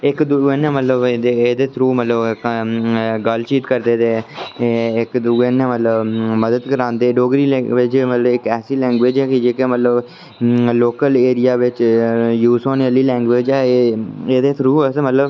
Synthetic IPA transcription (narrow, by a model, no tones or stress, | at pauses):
ɪkd̪ʊeːnɛ̃ːmət̪ləbd̪eeːd̪eːt̪ʰɾuːmət̪ləbk | ɡəlt͡ʃiːt̪kəɾd̪eːt̪eː | ɪkd̪uɡeːnɛ̃ːmət̪ləbməd̪əd̪kəɾãːnd̪eːɖoːɡɾiːlʋɪt͡ʃmət̪ləbɪkɛːsiːlɛ̃ːŋɡʋeːd͡ʒɛːkɪd͡ʒeːkeːmət̪ləb | loːkəleːɾɪjaːʋɪt͡ʃjuːsoːnəliːlɛ̃ːŋɡʋeːd͡ʒɛːeːd̪eːt̪ʰɾuːəsmət̪ləb